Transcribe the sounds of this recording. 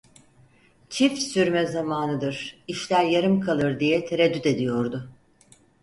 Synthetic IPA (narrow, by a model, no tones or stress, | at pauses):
t͡ʃʰifsyɾmɛzamaːnɯd̪ɯɾ̥iʃlʲæɾjaɾɯmkʰalˠɯɾd̪ijɛt̪ʰeɾed̪yt̪e̞d̪ijo̞ɾd̪ʊ